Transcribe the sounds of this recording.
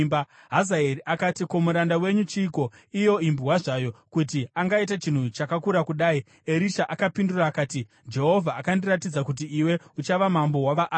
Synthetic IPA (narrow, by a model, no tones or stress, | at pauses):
mba | ɦazaeɾiʔakatiko̞muɾandawe̞ɲut͡ʃiːko̞ | ijo̞imbuwaʐajo̞kutiaŋɡait̬at͡ʃin̤ut͡ʃakakuɾakuɗaːi | eɾiʃaʔakapinduraːkaːti | d͡ʒe̞ɦo̞vʱaːkandiratid͡zakut̬iːwe̞ut͡ʃaʋamambo̞waʋaʔ